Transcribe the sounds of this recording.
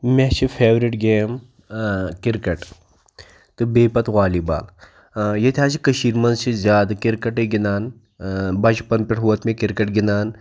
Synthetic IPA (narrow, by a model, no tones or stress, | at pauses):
met͡ʃʰifʰeːʋɾiʈɡeːm | kɪɾkɐʈ | t̪ɨbeːpɐt̪ɣaːliba̰ːl | jɐt̪ʰʲaːt͡ʃikɐʃiːɾmɐnzt͡ʃʰizʲjaːd̪kɪɾkɐʈɨɡinaːn | bɐt͡ʃpɐnpɪʈɦuʋɐt̪mẽkɪɾkɐʈɡinaːn